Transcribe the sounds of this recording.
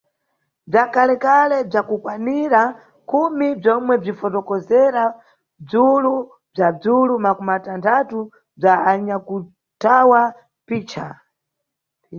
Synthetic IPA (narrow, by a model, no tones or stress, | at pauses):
b͡ʐakʰalɛkalɛb͡ʐakukwaniɾa | kʰumib͡ʐɔmwɛb͡ʐifɔtɔkɔzɛɾa | b͡ʐulu | b͡ʐad͡zulumakɔmatantʰatu | b͡ʐaaɲaku | tawa | piːt͡ʃʰa